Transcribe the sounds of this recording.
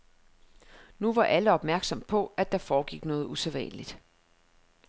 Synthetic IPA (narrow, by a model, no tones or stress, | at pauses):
nuʋɑ̈ʔæləɒ̽b̥mæɐɡ̥sɒ̽m̰pʰɒ̽ʔæd̥ɑ̈fɒːɡ̥iɡ̥nɔ̽ːð̞̩ˠuseðˠʋɛ̰nəlid̥